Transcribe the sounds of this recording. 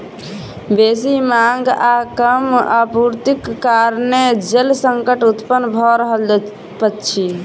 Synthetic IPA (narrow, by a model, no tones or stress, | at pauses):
besimaŋɡakəma̰puɾt̪ikːaɾned͡ʒelsəŋkəʈut̪pənbʱɔɾəɦəl | pətːt͡ʃʰi